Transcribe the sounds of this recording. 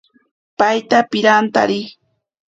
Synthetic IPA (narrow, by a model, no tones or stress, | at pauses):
pajt̪apɪɾant̪a̰ɾɪ